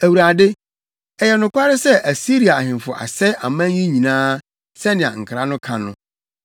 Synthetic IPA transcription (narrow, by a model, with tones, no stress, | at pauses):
æ˨wu˨ɾa˨de˦ | ɛ˨jɛ˨nʊ̃˨kʷa˦ɾɪ˦sɛ˦ʔæ˨si˦ɾi˨a˨a˨hɪ̃˨nfʊ˨ʔa̰˨sɛ˦a˨mã˦jĩ˦ɲĩ˨nãː˦ | sɛ˦nɪ̃˨ã̰˨ŋ̩˨kʰɾa˦nʊ̃˦kʰã˨nʊ̃˦